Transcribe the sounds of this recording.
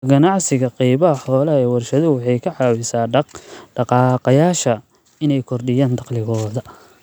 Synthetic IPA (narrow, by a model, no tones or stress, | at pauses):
ɡɐnɑʕsɪɣɐqɛjβɐɦɐħɔːlɐɛːwɐrʃɐðʊwɑħɑjkʰɐʕɑːwɪsaːɖ̥ɑqɑːqɐjaːʃɐ | ɪnɛjkʰɔrd̪ɪjaːnd̪ɑqlɪɣɔːðɐ